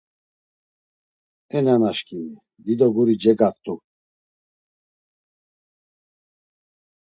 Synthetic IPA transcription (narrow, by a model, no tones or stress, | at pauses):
ɛnanaʃkʼini | d̪id̪ɔɡuɾid͡ʒɛɡat̪ʼu